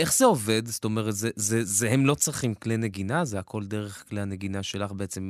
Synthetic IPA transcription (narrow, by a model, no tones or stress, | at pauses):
e̞χz̥eo̞ve̞d̪sto̞meʁet̪zezezeɦemlo̞t͡sʁiχimkleneɡinazeakʰo̞ld̪e̞ʁeχkleaneɡinaʃe̞laχbeet͡se̞m